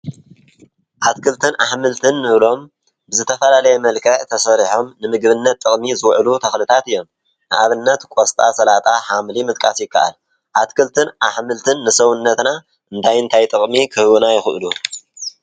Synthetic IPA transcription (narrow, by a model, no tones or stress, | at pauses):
ʔat̪kʰɨlt̪ʰɨnaħmɨlt̪ʰɨnːɨβlo̞m | bɨzɨt̪ʰːɐfɐlalɐjɛmɐlkʰɐʕt̪ʰɐsɐɾiħo̞mnɨmɨɡβɨnːɐt̪ːʼɨχʼmizɨwʕlut̪ʰɐxlɨt̪ʰat̪ɨjːo̞m | nɨʔaβɨnːɐt̪kʼost̪ʼasɐlat̪ʼaħamlimɨt̪ʼkʼasjɪkːaʔa̰l | ʔat̪kʰɨlt̪ʰɨnʔaħmɨlt̪ʰɨnːɨsɐwunːɐt̪na | ʔɨnt̪ʰajɨnt̪ʰajt̪ʼɨχʼmikʰɨhβunajɪxʔɨlu